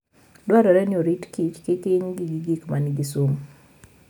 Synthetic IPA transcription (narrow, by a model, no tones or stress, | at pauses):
dwaɾɔɾɛnɪoɾitkit͡ʃkɪkɪɲɡiɡiɡikmanɪɡisum